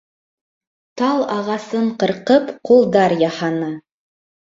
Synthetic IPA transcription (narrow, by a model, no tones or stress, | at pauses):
t̪ɑlˠɑʁɑsɤɴqɤ̆ɾqɤpqulˠd̪ɑɾjɑhɑnɑ